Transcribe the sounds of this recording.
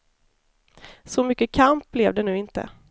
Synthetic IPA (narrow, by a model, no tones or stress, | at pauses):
sɔmʏkːəkʰamp̚blɛvd̪ɛnʉ̟ːɪnt̪ə̰